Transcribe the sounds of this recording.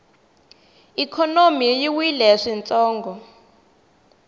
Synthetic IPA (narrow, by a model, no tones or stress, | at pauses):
ikʰɔnomijiwilɛʂint͡sʼɔːŋɡɔ